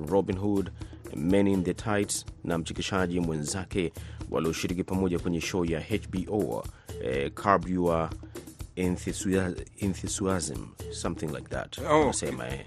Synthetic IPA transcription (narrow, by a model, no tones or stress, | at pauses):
ɹɔbĩnɦud | mɛninðətʰajtsnam̩t͡ʃikiʃaʄimwɛ̃nzakɛwʔa̰liɔʃiɾikipamɔʄakwɛɲɛʃɔjahet͡ʃbiʔo | kʰaɹbua | nθisɛ̃nθisuazə̰̃msʌ̃mθɪ̃ŋla̰ɪk̚ða̰tasɛma̰ɛ̰